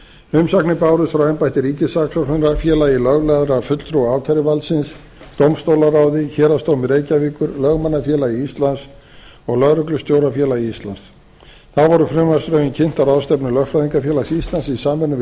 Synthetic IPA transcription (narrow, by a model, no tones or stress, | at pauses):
ʏmsaknɪpaːwɾʏðfɾawɛmpajht̪ɪɾiːcɪsaksɔhʏnɾafjɛːlailœɣlɛðɾafʏt̪l̥t̪ʰɾuaːwc̪ʰaɾɪvalsɪns | t̪owmst̪owlaraːwðɪçɛːɾast̪oːwmɪɾeːjcaviːkʏɾlœɣmanːafjɛːlaiist̪lans | ɔɣlœɣɾʏklʏst̪jowɾafjɛːlaiist̪lans | θaðvɔɾʏfɾɪmvast̪ɾœɥɪncʰɪn̥t̪aɾaːwst̪ɛpnɪlœxfɾajðiŋkafjɛːlasist̪lansisaːmɛnːʏ